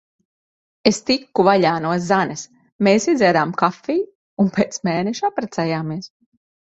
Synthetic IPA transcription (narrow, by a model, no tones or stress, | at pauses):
est̪ikːuvaʎʲaːnuɔszanɛs | meːsizʲɛɾaːmkafːiː | unpeːt̪smeːneʃuapɾɛt̪sɛjaːmiɛs